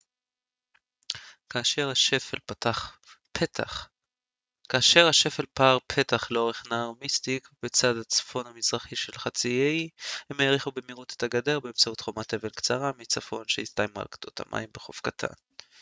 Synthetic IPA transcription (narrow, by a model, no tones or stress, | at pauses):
kaːʃeʁaʃefela | ta | kaːʃe̞ʁhaʃe̞fe̞lpaʁpʰe̞taχleo̞ʁe̞χnaʁmistikbet͡sadat͡sḁfo̞nhamizʁaχiʃe̞lχat͡siejhemeʁiχube̞miʁute̥taɡade̞ʁbeːmt͡sautχo̞mate̞ve̞nkt͡saʁamit͡safo̞nʃejistajmua̰lkḁt̪ʰot̪ʰa̰mʔa̰jimbeχo̞̰fkatʰa̰n